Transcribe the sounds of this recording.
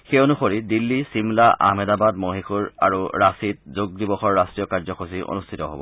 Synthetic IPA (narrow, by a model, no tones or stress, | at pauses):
xeonuxoɹidilːisimlaʔa̰mɛdabadmoɦixuɹa̰ɹuɹasit̚zoɡ̚dibɔxɔɹːastɹijɔkaɹzɔxʰosiʔo̰nustʰitɔɦo̰bɔ̰